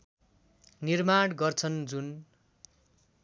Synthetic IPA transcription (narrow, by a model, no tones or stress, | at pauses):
nirmaɽɡʌrt͡sʰʌnd͡zun